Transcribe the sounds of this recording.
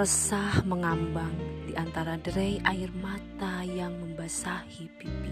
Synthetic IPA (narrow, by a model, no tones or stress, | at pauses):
əsahməŋambaŋdiʔant̪aɾadəɾɛjʔairmat̪ajaŋməmbasahipipi